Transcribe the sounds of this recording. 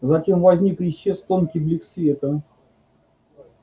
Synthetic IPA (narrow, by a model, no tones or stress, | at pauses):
zɐtʲe̞mvɐzʲnʲikjɪɕːest̪onkʲɪjblʲɪksʲvʲet̪ə